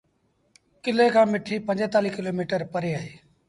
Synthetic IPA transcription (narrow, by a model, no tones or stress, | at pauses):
kɪleːkʰãːmɪʈʰiːpə̃ɲd͡ʒẽːt̪aːliːkɪloːmiːʈəɾpəɾeːaːɦeː